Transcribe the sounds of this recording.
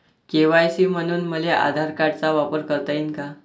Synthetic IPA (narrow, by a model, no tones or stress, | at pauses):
keʋajsiːm̤əɽ̃uːnməleʔa̰d̪ʱaɾkaɽt͡saʋapəɾkəɾt̪ainka